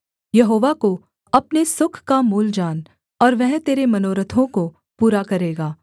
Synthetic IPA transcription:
jɐɦoːʋako | ɐpnesʊkʰkamuːld͡ʒaːn | ɔːɾʋɛɦt̪eːɾemɐnoːɾət̪ʰõko | puːɾakɐɾeːɡaː

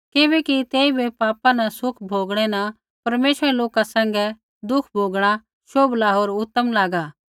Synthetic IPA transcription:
kɪbɛkit̪eːibʱepaːpãnɐsʊkʰbʱoːɡɽ̃ɛnɐ̃ | pɐɾmeːʃəɾɛloːkasɛ̃ːŋɡɛ | d̪ʊkʰbʱoːɡɽ̃a | ʃoːblaɦoːɾʊt̪ːəmlaːɡaː

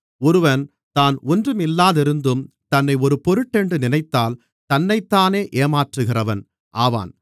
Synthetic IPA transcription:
ɔɾɯʋɐn | t̪aːnɔndrɯmɪlːaːðɪɾɯnd̪ɯm | t̪ɐnːɐɪɔɾɯpɔɾɯʈːɛɳɖrɯnɪnɐɪt̪ːaːl | t̪ɐnːɐɪt̪ːaːneːʔeːmaːʈrɯɣɪrɐʋɐn | ʔaːʋa̰ːn

